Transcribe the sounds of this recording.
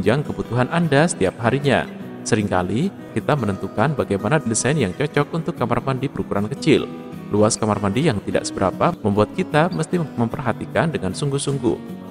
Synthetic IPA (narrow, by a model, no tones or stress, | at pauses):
ɲd͡ʒaŋkəbut̪uɦanʔandasə̥t̪iap̚ɦaɾiɲa̰ | səɾiŋka̰li | kit̪amənənt̪ukanbaɡajmanadisajnjaŋt͡ʃɔt͡ʃɔk̚unt̪ʊkːamarmandibəɾukuɾankət͡ʃɪl | luaskamarmandijaŋt̪ida̰ʔsəbəɾa̰paməmbuat̪̚kit̪aməst̪iməmpərɦat̪ikandəŋansuŋɡuhsuŋɡṵh